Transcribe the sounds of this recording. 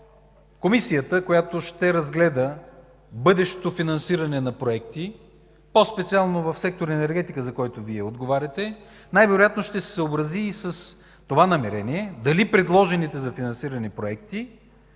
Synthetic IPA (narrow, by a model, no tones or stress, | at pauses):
komisijət̪əkojat̪oʃt̪ɛɾɐzɡlɛd̪ə | bɤd̪ɛʃt̪ofinɐnsiɾɐnɛnɐpɾoɛkt̪i | pospɛt̪sialˠnovɐfsɛk̚t̪oɾɛnɛɾɡɛt̪ikəzɐkɔjt̪oviɛod̪ɡovaɾʲɐt̪ɛ | najvɛɾojat̪noʃt̪ɛsɛ̥səobɾɐziːsɐs | t̪ovanɐmɛɾɛniɛd̪ɐlipɾɛd̪lˠɔʒɛnit̪ɛzɐfinɐnsiɾɐnipɾoɛkt̪i